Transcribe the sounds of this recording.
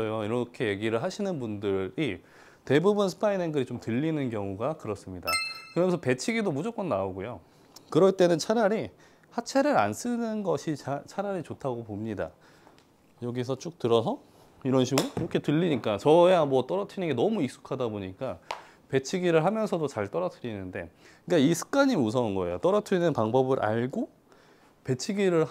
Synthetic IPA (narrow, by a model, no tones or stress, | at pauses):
ʌjoiɾʌkʰe̞je̞ɡiɾɯɭɦaɕʰinɯnbundɯɾi | te̞bubunsʰɯ̥pʰaineŋɡɯɾit͡ɕomtɯʎːinɯnkjʌŋuɡakɯɾʌs͈ɯmɲida̰kɯɾʌmsʰʌpe̞t͡ɕʰiɡidomud͡ʑʌk͈onnaoɡojo | kɯɾʌɭt͈e̞nɯnt͡ɕʰaɾaɾi | hat͡ɕʰe̞ɾɯɾa̰ns͈ɯnɯnɡʌɕʰit͡ɕʰaɾaɾit͡ɕotʰaɡopomɲida̰ | jʌɡisʰʌt͡ɕ͈ok̚tɯɾʌs̬ʰʌ | iɾʌnɕʰiɡɯɾoiɾʌkʰe̞tɯʎːiɲik͈at͡ɕʌamwʌt͈ʌɾʌtʰinɯnɡe̞nʌmuik̚s͈u̥kʰadaboɲik͈a | pe̞t͡ɕʰiɡiɾɯɭɦamjʌnsʰʌdot͡ɕaɭt͈ʌɾʌtʰɯɾinɯnde̞̰ | k͈aisʰɯ̥k̚k͈aɲius̬ʰʌunɡʌejot͈ʌɾʌtʰɯinɯnpaŋbʌbɯɾʔa̰ɭɡo | pe̞t͡ɕʰiɡiɾɯɭ